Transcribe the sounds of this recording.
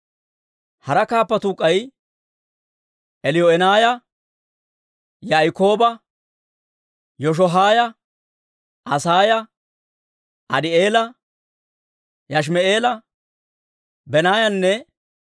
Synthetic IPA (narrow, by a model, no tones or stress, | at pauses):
hɐɾɐkaːpːɐt̪uːkʼːɐj | ʔɛlɪjɔɛnaːjɐ | jaːjko̞ːbɐ | jɔʃ̬ɔɦaːjɐ | ʔɐsaːjɐ | ɐd̪ɪeːlɐ | jɐʃ̬mɛeːlɐ | bɛnaːjɐnːɛ